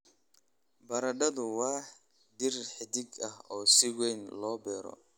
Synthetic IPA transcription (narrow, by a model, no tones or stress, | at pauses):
bɐɾɐɖɐðʊwɑːħ | d̪ɪrħɪd̪ɪɡɐɦɔːsɪwɛjnlɔːbɛːɾɔ̰